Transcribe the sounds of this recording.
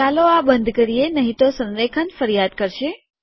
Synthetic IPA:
aloabənd̪ʱkəɾienəɦit̪osə̃nɾekʰənfəɾjad̪̚kəɾʃe

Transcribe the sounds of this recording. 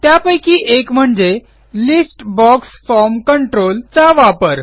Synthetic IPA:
t̪japəjkiːʔekm̤əɳd͡ze | lisʈbɔksfɔɾmkəɳʈɾolt͡saʋapəɾ

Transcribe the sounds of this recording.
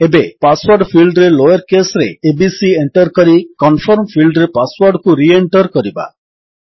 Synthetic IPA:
ebepaswɔɾɖpʰilɖɾelojɔɾkesɔɾeːbisieɳʈɔɾkɔɾikɔnfʰɔɾmpʰilɖɾepaswɔɾɖkuɾieɳʈɔɾkɔɾiba̰

